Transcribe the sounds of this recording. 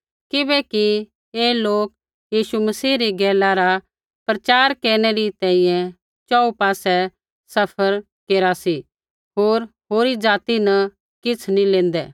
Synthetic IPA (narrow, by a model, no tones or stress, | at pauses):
kɪbɛki | eːloːk | jiːʃumɐsiːɾiɡɛːlaɾa | pɾɐt͡ʃaːɾkeːɾñɛɾit̪ɛ̃ːĩjɛ̃ | t͡ʃɔːupaːsɛ | sɐpʰəɾ | keːɾasi | ɦoːɾɦoːɾid͡zaːt̪inɐ | kɪt͡sʰnĩlẽːnd̪ɛ̰ː